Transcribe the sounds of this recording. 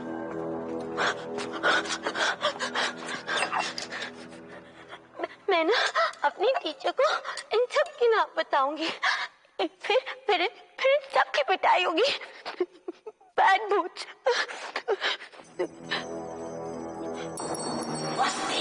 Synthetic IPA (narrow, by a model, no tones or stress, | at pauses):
mɛ̃ːnɐɐpnit̪iːt͡ʃokoɪnsɐb̚kinãːmbɐt̪aːũːŋɡi | pʰɪɾpɪɾpʰɪɾɪnsɐb̚kibɐʈ̪aːiɦõːɡiː | bɛːʈ̚bʱuːt͡ʃ